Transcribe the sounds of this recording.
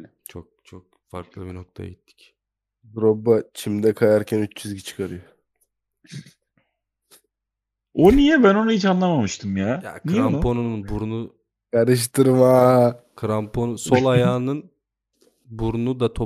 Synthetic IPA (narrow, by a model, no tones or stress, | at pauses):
t͡ʃʰok̚t͡ʃʰok̚ | fa̰ɾklˠɯbino̞k̚t̪ʰa̰ja̰ɟit̪ʰːi̥c | buɾobːat͡ʃʰimd̪ɛkʰajaɾcʰænyt͡ʃd͡ʒyzɟit͡ʃʰɯ̥kʰaɾɯjo | onijɛbæno̞nuhit͡ʃanlˠamamɯʃt̪ʰɯmjaːja̰knʰiɾampʰo̞nunnbuɾunu | kʰaɾɯʃ̬t̪ʰɯɾmakʰɯɾampʰo̞nuso̞lˠajaːnɯn | buɾunud̪at̪ʰo̞